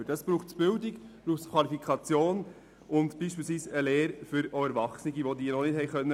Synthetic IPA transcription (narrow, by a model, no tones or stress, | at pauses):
dɑsb̥ɾuːχtb̥ɪldɪkb̥ɾuːχtkʰvɑlifikʰɑt͡sjoːn | ʔʊntb̥iːʃpiːlsʋiːsəleːɾfʏɾoɛɾʋɑχsnɪɡiʋod̪iːənɔnɪthɛɪχœnːə